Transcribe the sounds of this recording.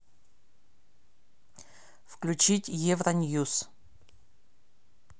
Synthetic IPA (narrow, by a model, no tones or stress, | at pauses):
fklʲʉt͡ɕitʲjevɾɐnʲjus